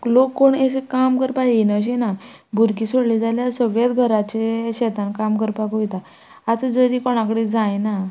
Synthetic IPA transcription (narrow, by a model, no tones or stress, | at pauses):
lokːoɳesekamkəɾpaɦinəɕ̬ena | bʱuɾkisoɽlid͡zaljaɾsəʋjet̪ɡʱəɾat͡ɕeɕɛt̪ankamkəɾpakojt̪aː | t̪əd͡zəɾikoɽ̃akəɽed͡zajna